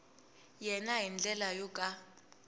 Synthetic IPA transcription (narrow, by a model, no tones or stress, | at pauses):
jɛnaɦind͡ɮʼɛlajɔkʼa